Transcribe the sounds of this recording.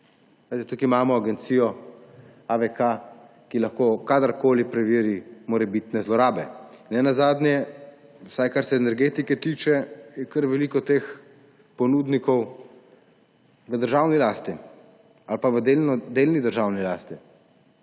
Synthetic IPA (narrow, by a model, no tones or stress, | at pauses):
ʋet̪ɛt̪ukimaːmɔaɡɛnt̪siːjɔ | aʋɛka | kilaxkoːkad̪əɾkoːlipɾɛʋiːɾimɔɾɛbit̪nɛzlɔɾaːbɛnɛnazaːd̪njɛ | wsajkaɾsɛːnɛɾɡeːt̪ikɛt̪iːt͡ʃɛjɛkəɾʋɛliːkɔt̪eːx | pɔnud̪nikɔw | ʋəd̪əɾʒawnilaːst̪i | alpaʋəd̪end̪eːlnid̪əɾʒaːwnilaːst̪i